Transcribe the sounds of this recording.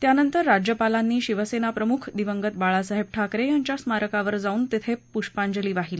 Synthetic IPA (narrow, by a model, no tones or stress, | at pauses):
t̪janənt̪əɾːad͡ʑjəpalanːiːɕiʋəsenapɾəmukʰd̪iʋəŋɡət̪̚baɭasəɦeb̚ʈʰakɾejaɲt͡ɕjasmaɾəkaʋəɾd͡zauːnt̪et̪ʰepuʂpaɲd͡ʑəliːʋaɦile